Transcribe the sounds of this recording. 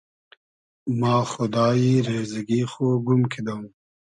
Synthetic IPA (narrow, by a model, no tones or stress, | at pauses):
mɑːxʊd̪ɑːiɾezɐɡixoːɡumkʰed̪ɐum